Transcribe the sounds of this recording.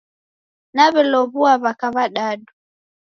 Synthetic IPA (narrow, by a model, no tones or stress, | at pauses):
naβɛlɔβuaβakaβaɗaɗu